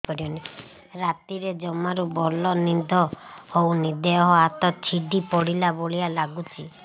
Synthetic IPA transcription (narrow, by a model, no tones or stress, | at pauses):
kɔɾiɔni | ɾat̪iɾed͡ʒɔmaɾubɔlɔnid̪ʱɔhownid̪eɔɦɔat̪ɔt͡ʃʰiɖipɔɽilaboɭijalaɡut͡ʃʰi